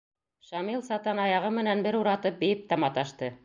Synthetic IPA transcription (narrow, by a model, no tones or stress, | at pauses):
ʃɑmilˠsɑt̪ɑnɑjɑʁɤmɘ̆nænbɘɾuɾɑt̪ɤp̚bɘ̆jɘp̚t̪ɑmɑt̪ɑʃt̪ɤ